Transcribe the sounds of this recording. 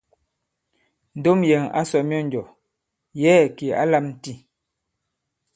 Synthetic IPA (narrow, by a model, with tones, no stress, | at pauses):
n̩˨do˦mjɛ˨ŋa̰˦sɔ˨mjɔ˦n˨d͡ʒɔ˨ | jɛː˦˨ki˨a̰˦la˦˨mn̩˦ti˦˨